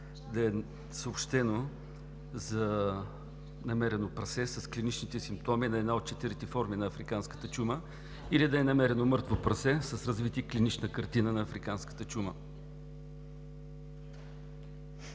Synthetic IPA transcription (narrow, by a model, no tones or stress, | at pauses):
d̪ɐɛ | səopʃt̪ɛno | zɐ | nɐmɛɾɛnopɾɐsɛsɐsklinit͡ʃnit̪ɛsimp̚t̪ɔminɐɛd̪naot̪̚t͡ʃɛt̪iɾit̪ɛfɔɾminɐɐfɾikanskə̥t̪ət͡ʃumə | ilid̪ɐɛnɐmɛɾɛnomɤɾt̪vopɾɐsɛsɐsɾɐzvit̪iklinit͡ʃnəkɐɾt̪inənɐːfɾikanskə̥t̪ət͡ʃumə̰